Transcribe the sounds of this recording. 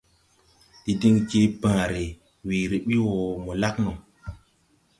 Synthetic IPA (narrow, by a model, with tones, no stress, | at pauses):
ɗi˦di˦ŋd͡ʒe˦bãː˨ɾe˨ | weː˨ɾi˨ɓi˦wɔ˨mo˨la˦knɔ˨